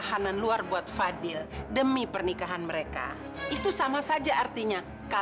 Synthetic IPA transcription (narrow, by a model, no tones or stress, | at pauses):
ɦananluarbuat̪̚fadɪldəmipərnikaɦanməɾeka̰ | ʔit̪usamasad͡ʒaːrt̪iɲa | ka